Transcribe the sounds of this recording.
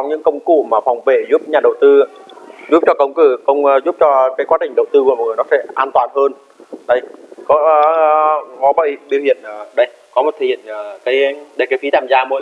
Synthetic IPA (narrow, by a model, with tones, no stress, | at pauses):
sɔ˨˦wŋ͡mɲɨ̰˧˥ŋkə˧wŋ͡mkṵ˧˨maː˨˩fwŋ͡mve˧˩zu˦˥p̚ɲaː˨˩ɗə˨˩wt̪ɨ˧zu˦˥p̚t͡ɕɔ˧kə˧wŋ͡mkɨ˧˩kə˧wŋ͡mzu˦˥p̚t͡ɕɔ˧kaː˨˦jkwaː˨˦ɗï˨˩ŋ̟ɗə˨˩wt̪ɨ˧km̚˨ŋɨ˨˩nɔ˨˦sɛ̰˧˥ʔaː˧nt̪waː˨˩nhəː˧n | ɗə˨˧˩jkɔ˨˦˨ | kɔ˨˦ɓə̰ː˧˨jɓi˧˨whḭ˧˨ənʔːɗə˧j | kɔ˨˦mo˨˩t̚t̪ʰḭ˧˨ənː˨˩kaː˨˦jɗe˧˩kaː˨˦jfi˨˦t̪aː˧˨mzaː˧mo̰˧˥˦